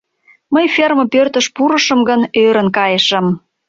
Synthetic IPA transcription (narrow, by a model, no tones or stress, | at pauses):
məjferməpørt̪əʃpuɾə̆ʃə̆mɡənøɾə̆nkɑjəʃə̆m